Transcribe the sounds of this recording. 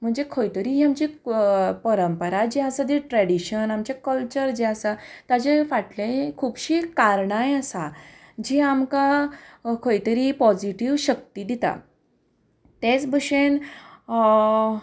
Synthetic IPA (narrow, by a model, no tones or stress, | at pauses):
m̤əɳd͡zekʰojt̪əɾiɦiamt͡ɕi | pəɾəmpəɾad͡ʑeasad̪iʈɾɛɽiɕənamt͡ɕakəlt͡ɕəɾd͡ʑeasat̪ad͡ʑefaʈlẽkʰuːbɕiːkaɾɳajasad͡ʑiamka | kʰojt̪əɾipɔd͡ziʈiʋɕək̚t̪iːd̪it̪a̰ | t̪et͡sbəɕen